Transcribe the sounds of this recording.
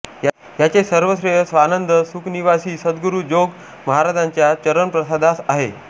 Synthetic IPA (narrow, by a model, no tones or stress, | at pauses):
jat͡sesəɾʋəsɾeɦsʋanənd̪əsukniʋasiːsəd̪ɡuɾuːd͡ʑoɡ | məɦaɾad͡zaɲt͡ɕjat͡ɕəɾənpɾəsad̪asaɦḛ